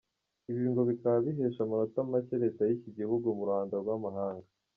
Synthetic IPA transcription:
iβiːŋɡo̞βikaβaβiɦeːʃamaɾotamaceɾe̞ːtajiciɟihuɡomuɾaːndaɡwamaɦaːŋɡa

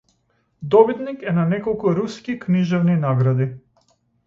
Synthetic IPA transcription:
d̪ɔbit̪nikɛnanɛkɔlˠkuɾuskikniʒɛvninaɡɾad̪i

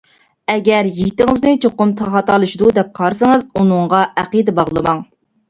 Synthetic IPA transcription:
ɛɡʲɛɾjiɡʲit̪ɪŋɨznɪt͡ʃʰoqʊmt̪ʰɑχɑt̪ɑlˠɨʃd̪ud̪ɛp̚qʰɑɾsɨŋɨzunɨŋʁɑʔæqid̪ɛbɑʁlˠɨmɑŋ

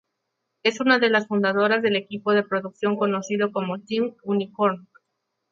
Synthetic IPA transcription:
e̞sunaðelasfund̪aðo̞ɾazðe̞le̞kipo̞ðe̞pɾoðuksjo̞ŋko̞no̞siðo̞ko̞mo̞timunikoɾn

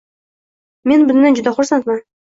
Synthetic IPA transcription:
me̞nbʊznand͡ʒʊd̪aχʊɾsant̪man

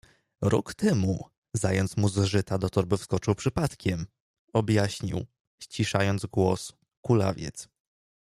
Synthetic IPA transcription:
ɾɔ̰kt̪ɛmu | zajɔnt̪smuzʐɘt̪ad̪ɔt̪ɔɾbɘfskɔt͡ʂɘwpʂɘpat̪kʲɛm | ɔbʲjaɕɲḭw | ɕt͡ɕiʂajɔnd̪zɡwɔs | kula̰vʲjɛ̰t̪s

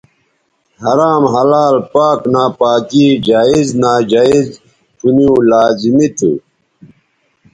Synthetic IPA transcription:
hɐɾaːmɦɐlaːlpaːknaːpaːkiːd͡ʑaːiznaːd͡ʑaːiz | tuniulaːzimit̪ʰṵ

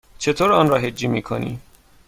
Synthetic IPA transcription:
t͡ʃʰe̞t̪ʰoːɾɒːnɾɒːɦe̞d͡ʒːiːmiːkʰo̰nḭː

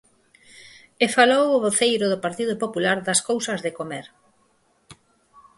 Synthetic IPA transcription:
efalowoβoθejɾʊðʊpaɾt̪iðʊpopulaɾðɐskowsɐzðɪkomeɾ

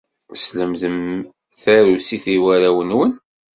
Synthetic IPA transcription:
sləmðəm | θæɾusiθiwæɾæwənwən

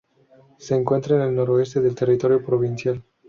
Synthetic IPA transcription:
seːŋkwe̞nt̪ɾaenelnoɾoest̪eðelt̪erit̪oɾjopɾovinsial

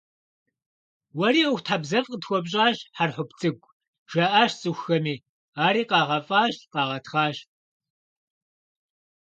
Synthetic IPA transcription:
wɐɾiːoxʷtʰħabzɐvqətxʷɔbɕʼaːɕħarħʊpt͡sʼɨɡʷʼ | ʒ̥ɐʔaːʃt͡sʼɨxʷxɐmiː | aːɾiːqɑːʁɐfʼaːɕqɑːʁɐtχɑːɕ

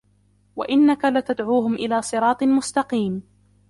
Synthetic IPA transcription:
wa̰ʔɪnːakalat̪ad̪ʕuːɦʊmʔɪlaːsˤɨɾˤɑːt̪ˤmʊst̪ɑqiːm

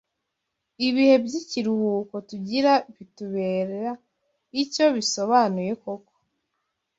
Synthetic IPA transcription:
iβihe̞bɟiciɾuhuːko̞tuɟiɾaβituβe̞ːɾeɾa | ico̞βiso̞βanuje̞koko̥

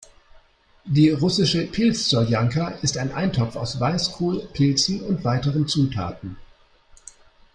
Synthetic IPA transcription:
diːʁʊsɪʃəpʰɪlst͡sɔjaŋkaʔɪstaɪnʔa̰ɪntʰɔpp͡faʊsvaɪskʰuːlpʰɪlt͡sn̩ʊntv̥aɪtəʁənt͡suːtʰa̰ːtn̩

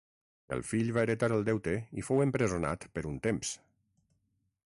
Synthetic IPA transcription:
ə̰lˠfiʎβaəɾət̪aɾəlˠd̪ɛwt̪eifowəmpɾəzuna̰t̪pəɾunt̪ems

